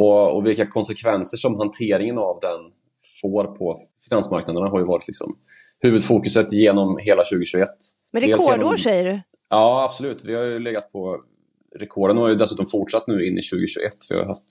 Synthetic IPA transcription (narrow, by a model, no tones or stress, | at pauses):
ɔɔ̰vɪlkakʰɔnsɛkʰvɛnsəʂɔmɦant̪ʰeːɾɪŋənavd̪ɛn | foːɾpʰɔ | fɪnansma̰ɾknad̪əɳaɦaɾjɵvɑːɾɪt̪lɪksɔ̰m | hʉ̟ːvɵd̪fuːkɵsət̪ːjeːnɔmɦeːlaɕʉ̟ːɡəɕʉɡɛt̪ː | mɾɛeɛlsoːʂɛjːəɖɵ | ɑːab̥sɔlʉ̟ːt̪vɪhajɵlɛɡat̪̚pʰɔ | ɾɛkʰɔːɖənhajəd̪ɛsʉːt̪ɔmfʊʈʂat̪ːnʉ̟ːɪnːɪ̰ɕʉ̟ːɡəɕʉːɡ̰ɛt̪ːfɾɪ̰ɦa̰ft̪